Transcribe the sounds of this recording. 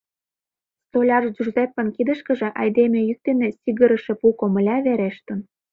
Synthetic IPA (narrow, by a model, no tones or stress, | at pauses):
st̪olʲɑʒʒurzepːə̆nkid̪əʃkə̆ʒĕʔɑjd̪emʲejytd̪enĕsiɣəɾə̆ʃĕpukomə̆lʲɑβeɾeʃt̪ə̆n